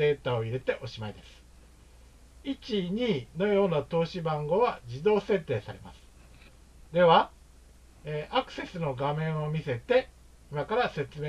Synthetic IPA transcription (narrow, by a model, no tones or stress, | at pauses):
e̞ːt̪ao̞iɾe̞t̪e̞ʔo̞ɕimaid̪e̞sɨ̥ | it͡ɕiɲ̟iːno̞jo̞ːnat̪o̞ːɕibãŋɡo̞βad͡ʑid̪o̞ːse̞t̪ːe̞ːsaɾe̞ma̰sɨ̥ | d̪e̞βa | eːʔakɯ̟̥se̞sɨno̞ɡamẽ̞ɰ̃o̞mʲise̞t̪e̞ | imakaɾase̞t͡sɨme